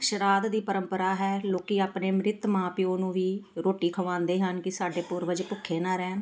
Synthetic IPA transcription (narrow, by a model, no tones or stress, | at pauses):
kʃɾaːt̪d̪iːpəɾə̃mpəɾaːɦɛːloːkiːaːpneːmɾɪt̪mãːpioːnũːʋiːɾoːʈiːkʰəʋãːnd̪eːɦənkɪsaːɖeːpʊɾʋəd͡ʒpʊkʰːeːnãːɾɛːn